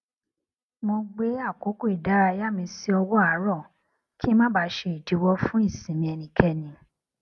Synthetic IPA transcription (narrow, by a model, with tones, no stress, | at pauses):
mõ˧ɡ͡be˦a˦˨ko˨˦ko˦i˨da˨˦ɾa˧ja˦mĩ˧si˦ɔ˧wɔ˦a˨˦ɾɔ˦˨ | ki˦ɛ˦mã˦ba˧˦ʃe˧˨i˨di˨˦wɔ˦fũ˦i˦˨sĩ˨mĩ˧ɛ˧nĩ˧kʰɛ˦˨nĩ˨